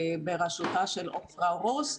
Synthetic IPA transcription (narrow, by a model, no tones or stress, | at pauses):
beʁaʃut̪aʃelʔofʁaʁos